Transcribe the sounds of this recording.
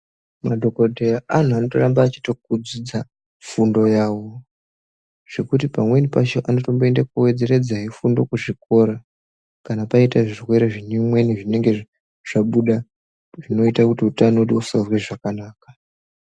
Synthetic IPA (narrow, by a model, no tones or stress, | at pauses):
madʱo̞kordʱeaʔan̤uano̞torambaːt͡ʃitokud͡zid͡za | fundo̞jaːwo̞ | ʐ̥e̞kutipamwe̞nipat͡ʃoʔano̞to̞mboendakuwe̞d͡ze̞ɾe̞d͡zaɦifundo̞kuʐik̚o̞ɾa | kanapaitaʐirwe̞ɾeʐinimwe̞niʐine̞ŋɡe̞ | ʐ̥aɓuɗa | ʐino̞itakutiutanoutiusazweʐakanaːkḁ